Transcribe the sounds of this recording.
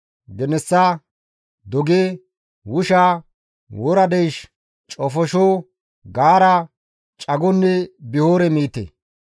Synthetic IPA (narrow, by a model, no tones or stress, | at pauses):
ɡɛnɛsːa | d̪ɔɡeː | wʊʃaː | wɔɾɐd̪ɛjʃ | t͡ʃʼɔfɔʃoː | ɡaːɾɐ | t͡ʃʼɐɡɔnːɛbɪhoːɾɛmiːt̪ḛ